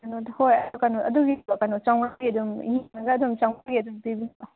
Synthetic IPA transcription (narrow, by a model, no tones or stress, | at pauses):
anothojɐdukanɔtɐduɡibakanɔt͡ʃawnaɡiɐdumjinɐɡɐːdumt͡ʃawnaɡiɐdumpibinba